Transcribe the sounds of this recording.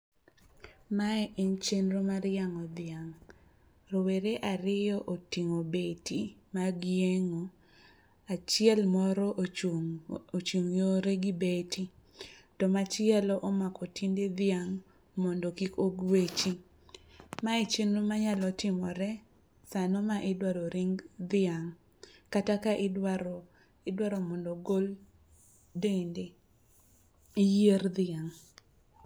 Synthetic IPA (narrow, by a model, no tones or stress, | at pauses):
maɛʔint͡ʃenɾomaɾjaŋɔd̪ɪaŋ | ɾoweɾeʔaɾɪjɔʔotiŋobetimaɡɪeŋo | at͡ʃɪɛlmɔɾɔʔ | ot͡ʃuŋjoɾeɡibetitɔmat͡ʃɪɛlɔʔɔmakɔtinded̪ɪaŋ | mɔndokikoɡwet͡ʃi | maet͡ʃinumaɲalɔtɪmɔɾɛ | sanɔmaʔɪdwaɾoɾiŋɡd̪ɪaŋ | katakaʔɪ | ɪdwaɾɔmɔndɔɡol | dende | ijerðɪaŋ